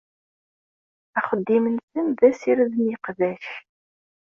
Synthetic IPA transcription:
æχəd̪ːimənsənðæsiɾðniqðæʃ

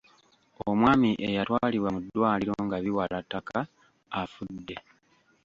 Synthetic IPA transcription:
omwaːmiʔejatwaaːliβwamudːwaːliɾoŋɡaβiwalatːakaː | fudːe̞

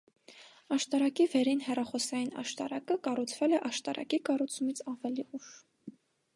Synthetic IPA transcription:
ɑʃt̪ɑɾɑkivɛɾinhɛrɑχɔsɑjinɑ̰ʃt̪ɑ̰ɾɑkəkɑrut͡sʰvɛlɛʔɑʃt̪ɑɾʔɑ̰kikɑrut͡sʰumit͡sʰɑvɛliʔuʃ

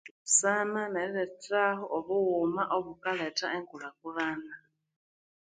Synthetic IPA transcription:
sananaiɾɛtaɦɔʔoβuɣumaʔoβukaletaʔeŋkulakulana

